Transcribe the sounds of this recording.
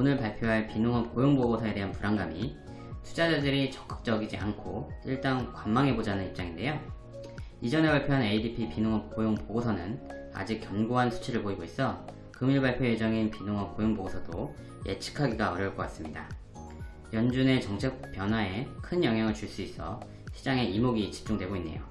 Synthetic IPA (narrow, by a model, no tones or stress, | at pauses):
onɯɭpaɭpʰjoɦaɭpinoŋʌp̚k͈ojoŋboɡosʰʌe̞de̞ɦanpuɾaŋɡami | tʰu̥d͡ʑad͡ʑadɯɾit͡ɕʌk͈ɯ̥k̚t͡ɕ͈ʌɡid͡ʑiankʰoiɭt͈aŋkwamːaŋɦe̞bod͡ʑanɯnip̚t͡ɕ͈aŋinde̞jo | id͡ʑʌne̞paɭpʰjoɦane̞idipʰipinoŋʌp̚k͈ojoŋpoɡosʰʌnɯn | a̰d͡ʑik̚kjʌŋɡoɦansʰu̥t͡ɕʰiɾɯɭpoiɡois͈ʌ | kɯmiɭbaɭpʰjojed͡ʑʌŋinpinoŋʌnk͈ojoŋboɡosʰʌdo | je̞̰t͡ɕʰi̥kʰaɡiɡaʌɾjʌɭk͈ʌk͈as͈ɯmɲida | jʌnd͡ʑune̞t͡ɕʌŋt͡ɕʰek̚p͈jʌnwae̞kʰɯnjʌŋɦjaŋɯɭt͡ɕuɭs͈uis͈ʌ̰ | ɕʰid͡ʑaŋe̞imoɡit͡ɕi̥p̚t͡ɕ͈uŋdwe̞ɡoinːe̞̰jo̰